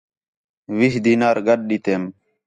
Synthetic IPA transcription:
ʋiɦd̪iːnaːɾɡəɗ̚ɗiːt̪eːm

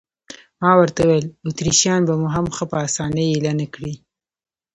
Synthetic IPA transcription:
mɑwəɾt̪awlut̪ɾiʃjɑnbamuɦamxəpəɑsɑnəjilanakɽi

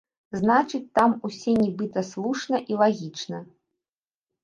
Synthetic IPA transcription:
znat͡ʂɨt͡sʲt̪amusʲɛnʲibɨt̪ɐslˠuʂnɐʔilˠaɣʲit͡ʂnɐ

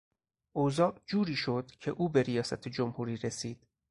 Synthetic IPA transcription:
ʔozɒːʔd͡ʒuːɾiːʃo̞d̪̥cʰe̞ʔuːbe̞ɾijɒːsæt̪ʰed͡ʒomhuːɾiːɾesiːd̪̥

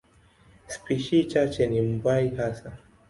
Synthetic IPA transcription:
spiʃit͡ʃat͡ʃɛnim̩baiɦasa

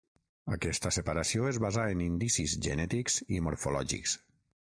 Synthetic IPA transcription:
ə̰kɛst̪əsəpaɾasioezβazaənind̪isizʒə̰nɛt̪ikzimoɾfolɔʒḭks

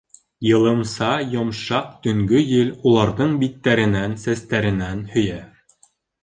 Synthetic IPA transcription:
jɤ̆lˠɤ̆msɑjŏmʃɑq̚t̪ɵ̆ŋɡɵjɘlulˠɑɾðɤɴbit̪ːæɾɘ̆nænsæst̪æɾɘ̆nænhɵ̆jæ

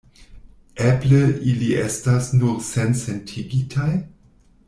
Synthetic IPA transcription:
ebleʔiliʔestasnuɾsensentʰiɡitʰaj

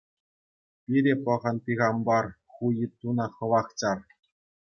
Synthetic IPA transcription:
pʲiɾʲepɤ̆ʁɤ̆npʲiɣɑmbɑr | χujit̪unɑχɤ̆ʋɑχt͡ɕɑr

